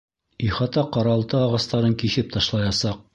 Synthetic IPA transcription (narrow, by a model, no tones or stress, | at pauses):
iχɑt̪ɑqɑɾɑlˠt̪ɤːʁɑst̪ɑɾɤŋkiθɘp̚t̪ɑʃlˠɑjɑsɑq̚